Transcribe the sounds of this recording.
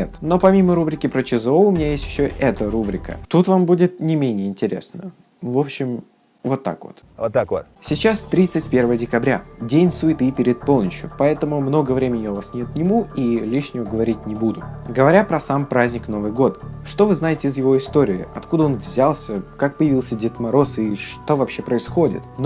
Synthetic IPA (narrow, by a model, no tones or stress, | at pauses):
et̪no̞pɐmʲiməɾubɾʲɪkʲɪpɾət͡ɕɪzɨoʊmʲɪnʲajesʲtʲjɪ̥ɕːoʔɛt̪əɾubɾʲɪkə̰t̪ut̪vambudʲɪt̪nʲɪmʲenʲɪjəɪnʲtʲɪɾʲe̞̰snə | vo̞pɕːɪm | vo̞t̪ːa̰kvo̞̰t̪ːakosʲɪt͡ɕast̪ɾʲit̪sɨtʲpʲe̞rvəjədʲɪkɐbɾʲadʲenʲsuɪt̪ɨpʲɪɾʲɪt̪̚po̞lˠnəɕjʊpɐɛt̪əmʊmno̞ɡəvɾʲemʲɪnʲɪɪjovasnʲet̪nʲɪmuilʲiʂnʲɪvəɡəvɐɾʲit̚ʲnʲɪbud̪ʊɡəvɐɾʲapɾɐsampɾazʲnʲɪkno̞vɨjɡo̞t̪ʂt̪o̞vɨznaɪtʲɪːzjɪvo̞ɪst̪o̞ɾʲɪɪɐt̪kud̪əo̞nvzʲalˠsʲəkak̚pəjɪvilˠsʲədʲɪt̪mɐɾo̞sɨʂt̪o̞vɐpɕːe̞pɾəɪsxo̞dʲɪ̰t̪n